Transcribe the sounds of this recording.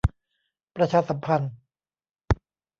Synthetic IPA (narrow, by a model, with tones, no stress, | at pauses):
pɾa˧t͡ɕʰaː˧sa˨˩˦mpʰa˧n